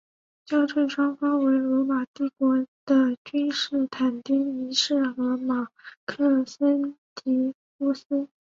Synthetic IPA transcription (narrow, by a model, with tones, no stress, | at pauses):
t͡ɕjɑ˥ʊʈ͡ʂʰə˥˩nʂwɑ˥ŋfɑ˥ŋwe˧˥ɪlwɔ˧˥ma˨˩t̪i˥˩kwɔ˧˥d̪̥ə˧t͡ɕy˥nʂɻ̩˥˩t̪ʰa˨˩nt̪i˥ŋi˧˥ʂɻ̩˥˩ɤ˧˥ma˨˩kʰɤ˥˩sə˥nt̪i˧˥ | u˥˩s̩˥